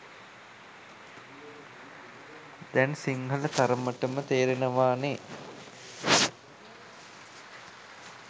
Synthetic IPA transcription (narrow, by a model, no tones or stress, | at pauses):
d̪ɛnsiŋɦɐlət̪aɾəməʈəmət̪eːɾenəʋaːne